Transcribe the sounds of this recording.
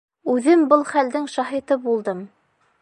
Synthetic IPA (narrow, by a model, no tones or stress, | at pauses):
ʉðɘmbɤlˠχæld̪ɘŋʃɑɦit̪ɤbulˠd̪ɤm